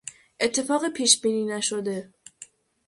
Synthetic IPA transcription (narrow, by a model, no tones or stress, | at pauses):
ʔe̞t̪ʰːe̞fɒːɣepʰiːʃbiːniːnæʃo̞d̪e̞